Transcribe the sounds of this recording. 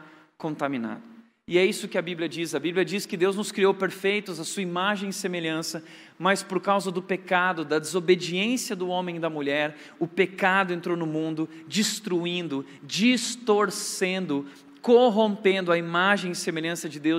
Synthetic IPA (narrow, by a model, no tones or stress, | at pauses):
kõnt̪amĩna̰d̪ʊ | ɪɛisʊkɪɐbiblʲiɐd͡ʒizɐbibliɐd͡ʒiskɪd̪ewznʊskɾiowpeɾfejt̪ʊzɐsuɐimaʒẽj̃ɪsemeʎɐ̃sɐ | mɐspoɾkawzɐd̪ʊpekad̪ʊd̪ɐd͡ʒ̪ezobed͡ʒiẽsiɐd̪ʊõmẽj̃d̪ɐmuʎɛɾ | ʊpekad̪ʊẽnt̪ɾownʊmũnd̪ʊ | d͡ʒist̪ɾuĩnd̪ʊ | d͡ʒist̪oɾsẽnd̪ʊ | koɦõmpẽnd̪ʊɐimaʒẽj̃ɪsemeʎɐ̃sɐd͡ʒɪd̪ew